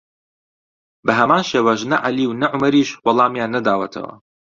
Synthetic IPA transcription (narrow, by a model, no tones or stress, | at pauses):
bɐɦɐmaːnʃeːwɐʃ̬nɐʕaliːwnɐʕʊmɐɾiːʃwɑlˠɑːmjaːnːɐd̪aːwɐt̪ʰɐ̰wɐ̰